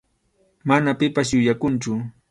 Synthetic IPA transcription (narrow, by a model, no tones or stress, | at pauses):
manapɪpas̬jʊjakʊnt͡ʃʊ